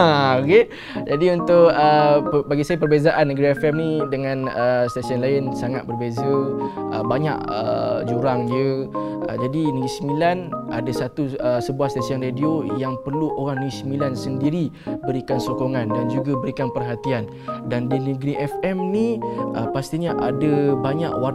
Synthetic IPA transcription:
aoɡe | d͡ʒadiunt̪ʊʔəbaɡisajapərbezaʔanːəɡɾiɛfɛmnidəŋãnəst̪asiənlaɪnsaŋat̪̚bərbezə | ʔə̰baɲa̰ʔə̰d͡ʒuɾaŋjə | ʔə̰d͡ʒadinəɡɾisəmilana̰dasat̪uəsəbuahst̪asiənrediojaŋpərluʔoɾaŋnəɡisəmilansəndiɾi | bəɾikansokoŋãndand͡ʒuɡabəɾikanpərɦat̪ian | dandinəɡɾiʔɛfɛmniʔəpast̪iɲaʔadəbaɲaʔwa

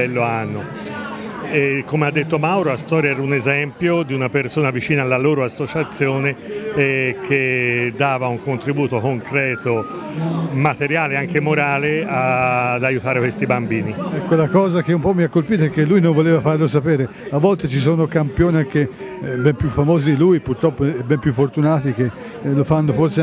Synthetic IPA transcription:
ɛlːoanːo | ekːomead̪ːet̪ːomawɾolast̪ɔːɾjaɛːɾaunezɛmpjod̪iunapersoːnavit͡ʃiːnaːlːaloːɾoasːot͡ʃat̪sːjoːne | kʰed̪ːaːvauŋkont̪ɾibuːt̪okoŋkɾɛːt̪o | mat̪eɾjaːleaŋkemoɾaːlead̪ajut̪aːɾekwest̪ibambiːniɛkːolakɔːzak̟eumpɔmːiakːolpiːt̪oɛkːelːujnõɱvoleːvafarlos̬apɛːɾeavːɔlt̪et͡ʃis̬oːnokampjoːniaŋk̟ebɛmpjufːamoːzid̪ilujpurt̪ɾɔpːoebɛmpjufːort̪unaːt̪ik̟e | lofanːoforse

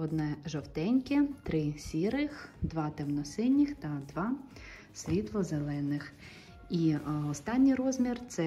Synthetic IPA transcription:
ɔd̪nɛʒɔwt̪ɛnʲkʲɪt̪ɾɪsʲiɾɪxd̪ʋɑt̪ɛmnɔsɪnʲːixt̪ɐd̪ʋɑ | sʲʋʲit̪lˠɔzelˠɛnɪx | iɔst̪ɑnʲːijrɔzʲmʲirt̪sɛ

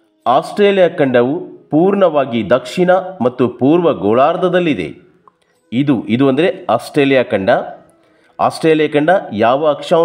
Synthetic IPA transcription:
aːsʈɾeːlijaːkɐɳɖɐʋupuːɾɳɐʋaːɡid̪ɐkʂiɳɐmɐt̪ːupuːɾʋɐɡɔːɭaːɾd̪ɐd̪ɐlːid̪e̞̰ | id̪uʔid̪uɐnd̪ɐɾeaːsʈɾeːlijaːkɐɳɖɐ | a̰ːsʈɾeːlijakɐɳɖɐjaːʋɐɐkʂa

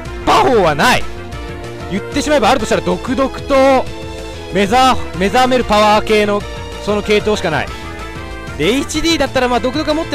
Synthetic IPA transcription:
paho̞ːβanaḭ | jɯ̟t̪ːe̞ɕimaebaːɾɯ̟t̪oɕt̪aɾad̪o̞kɯ̟d̪o̞kɯ̟̥t̪o̞ | mezame̞zame̞ɾɯ̟paβaːke̞ːno̞ | so̞no̞ke̞ːt̪o̞ːɕi̥kana̰ḭ | d̪eit͡ɕid̪ʲiːd̪at̪ːaɾamad̪o̞kɯokɯamo̞t̪ːe

